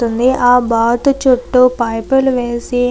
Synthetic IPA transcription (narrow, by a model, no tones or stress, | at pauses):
und̪iʔaːbaːt̪ut͡ʃoʈːupɐjpeluʋeːsi